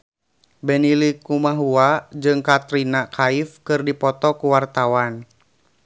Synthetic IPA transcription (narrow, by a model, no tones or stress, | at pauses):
bɛnilikumaɦuad͡ʒɨŋkat̪ɾinakʰaifkɨrdipɔt̪ɔkuwart̪awan